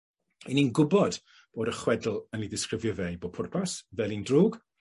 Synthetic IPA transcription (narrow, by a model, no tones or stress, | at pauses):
ininɡʊbɔd̥ | b̥oːdəχwɛdl̩ˠəniðɪskrɪvjɔvejboːpʰʊrpʰasvɛːlˠindruːɡ